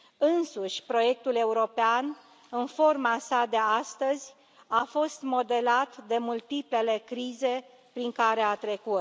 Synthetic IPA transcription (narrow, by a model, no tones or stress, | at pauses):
ɨnsuʃʲpɾo̞je̞k̚t̪ule̞uɾo̞pean | ɨnfo̞rmasad̪e̞ast̪əzʲ | afo̞st̪mo̞d̪e̞lat̪d̪e̞mult̪iple̞le̞kɾize̞ | pɾiŋkaɾe̞at̪ɾe̞kut̪